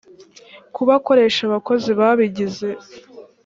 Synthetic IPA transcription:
kuβako̞ɾe̞ːʃaβako̞ziβaːβiɟize̞

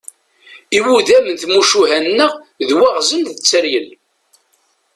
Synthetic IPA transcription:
iwuðæmənθmuʃuɦænːəʁ | ðwæʁzənðət͡sːəɾjəl

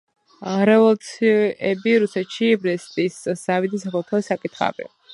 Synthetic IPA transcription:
ɾɛvɔlˠt̪sʰiɛbiɾusɛt̪ʃibɾɛst̪ʼisz̥avid̪isakʰɔlˠt̪ʰɔsakʼit̪ʰχa̰bḭ

